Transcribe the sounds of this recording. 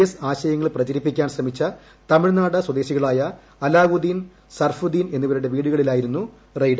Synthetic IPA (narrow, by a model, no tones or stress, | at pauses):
ɐsaːɕɐjɐŋːɐɭprɐt͡ɕɐɾipːikʲːaːnɕrɐmit͡ɕːɐ | t̪ɐmiɻnaːɽɨswɐd̪e̞ːɕiɣɐɭaːjɐː | laːʋud̪in | sɐrfud̪iːne̞nːiʋɐɾuɽe̞ʋiːɽuɣɐɭilaːjiɾunːu | rɐjɖ